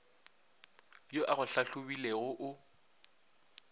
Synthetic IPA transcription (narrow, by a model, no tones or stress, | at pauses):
joʔaɣʊɬaɬʊbileɣʊʔʊ